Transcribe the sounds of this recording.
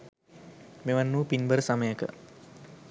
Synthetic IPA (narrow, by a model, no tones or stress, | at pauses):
meʋanːuːpinbəɾəsaməjəkə̰